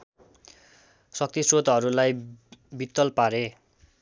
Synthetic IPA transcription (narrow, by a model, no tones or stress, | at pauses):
sʌk̚t̪isrot̪ɦʌɾulajbit̪ːʌlpaɾe